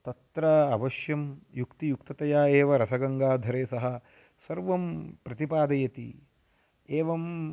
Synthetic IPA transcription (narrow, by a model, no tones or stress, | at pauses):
t̪ɐt̪ɾɐɐʋɐʃjɐmjukt̪ijukt̪ɐt̪ɐjaːeːʋɐɾɐsɐɡɐŋɡaːd̪ʱɐɾeːsɐɦɐ | sɐɾʋɐmpɾɐt̪ipaːd̪ɐjɐt̪ḭ | eːʋɐm